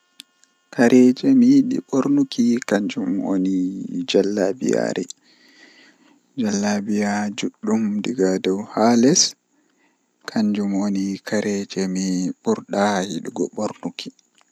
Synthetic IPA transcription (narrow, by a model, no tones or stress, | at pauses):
kʰaɾʔɛd͡ʒɛmiɗḭɓoɾnukikaɲd͡ʒumo̰nid͡ʒalːabḭja̰ɾɛ | d͡ʒalːabijad͡ʒuɗːumdiɡadɔwhalɛs | kʰaɲd͡ʒumonikʰaɾʔɛd͡ʒɛmiɓuɾɗahiɗiɡɔɓoɾnukʰi̥